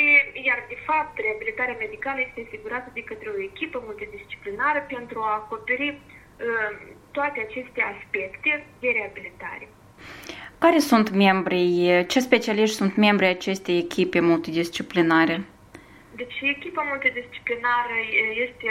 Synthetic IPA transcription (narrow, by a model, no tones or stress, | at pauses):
ijard̪e̞fap̚t̪re̞abilit̪aɾeame̞d̪ikaləje̞st̪easiɡuɾat̪əd̪e̞kət̪ɾeo̞ekʲipəmult̪id̪ist͡ʃi̥plinaɾəpe̞nt̪ɾuaːko̞pe̞ɾi | ət̪oat̪e̞at͡ʃe̞st̪e̞aspe̞kt̪e̞d̪e̞ɾe̞abilit̪a̰ɾe̞ | kaɾe̞sunt̪me̞mbɾijt͡ʃe̞spe̞t͡ʃialiʃt̪ʲsunt̪me̞mbɾijat͡ʃe̞st̪ejekʲʰipe̞mult̪id̪ist͡ʃiplinaɾe̞ | d̪et͡ʃekʲipamult̪id̪ist͡ʃi̥plinaɾəjest̪e